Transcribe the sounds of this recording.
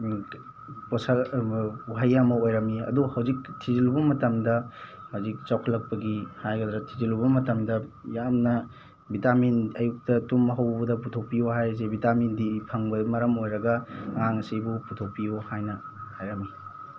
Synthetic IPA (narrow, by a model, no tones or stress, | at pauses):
posa | uɦajːamɐojɾɐmiɐ̰duhɐwzik̚tʰizilubɐmɐtɐmdɐhɐwzik̚t͡ʃawkʰɐlɐk̚pɐɡihajɡɐdɾɐtʰizilubɐmɐtɐmdɐjamnɐ | bitaminɐjuk̚tɐtumɐɦɐwbɐdɐputʰok̚pijuɦajs̬ebitamindipʰɐŋbɐmɐɾɐmojɾɐɡɐŋaŋɐsibuputʰok̚pijuhajnɐ | hajɾɐmi